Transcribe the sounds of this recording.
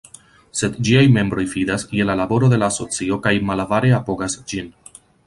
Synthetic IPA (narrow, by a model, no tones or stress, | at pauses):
se̞d̪d͡ʒiajme̞mbɾo̞jfidasje̞lalabo̞ɾo̞d̪e̞laːso̞t͡sio̞kajmalavaɾe̞apo̞ɡasd͡ʒin